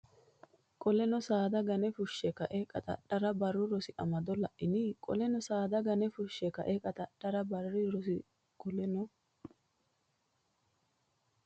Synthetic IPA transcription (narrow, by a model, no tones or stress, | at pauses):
kʼɔlɛnɔsaːd̪ɐɡɐnɛfʊʃːɛkɐʔɛkʼɐ̰t̪ʼɐ̰ɗɐɾɐbɐrːʊɾɔsɪʔɐmɐd̪ɔlɐʔɪnɪkʼɔ̰lɛnɔsaːd̪ɐɡɐnɛfʊʃːɛkɐ̰ʔɛkʼɐt̪ʼɐɗːɐɾɐbɐrːɪɾɔsɪ | kʼɔlɛnɔ